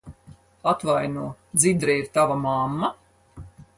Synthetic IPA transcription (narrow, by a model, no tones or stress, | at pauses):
at̪vajnuɔd̪zid̪ɾɛiɾt̪avamamːa